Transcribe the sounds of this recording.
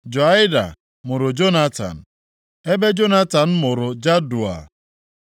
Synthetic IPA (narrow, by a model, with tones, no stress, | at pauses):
d͡ʒo˨a˦ɪ˦da̰˨ | mʊ˨ɾʊ˨d͡ʒo˦na˦ta̰˨n̩˨ | e˦be˦d͡ʒo˦na˦ta˨n̩˦mʊ˨ɾʊ˨d͡ʒa˦du˨a̰˨